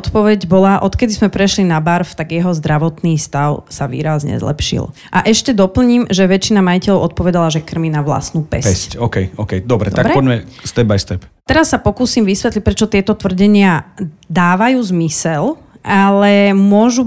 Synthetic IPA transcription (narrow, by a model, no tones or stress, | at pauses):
t̪pɔʋɛɟbɔlaʔɔt̪kɛd̪izmɛpɾɛʃlinabaɾft̪aɡjɛɦɔzd̪ɾaʋɔt̪niːst̪aʊsaʋḭːɾazɲɛ̰zlɛ̰pʃḭl | ʔaʔɛʃcɛd̪ɔpl̩ɲiːmʒɛʋɛt͡ʃːinamajicɛʎɔʊɔt̪̚pɔʋɛd̪alaʒɛkr̩miːnaʋla̰snuːpɛ̰ssccɔːkɛjʔɔkɛjd̪ɔbɾɛ̰t̪akɾɛpɔɟmɛst̪ɛbajst̪ɛpt̪ɛɾasːapɔkuːsimʋisʋɛt̪lic̚pɾɛt͡ʃɔt̪ɪɛt̪ɔt̪ʋr̩ɟɛɲɪad̪aːʋajuːzmisɛl | ʔalɛmʊɔʒu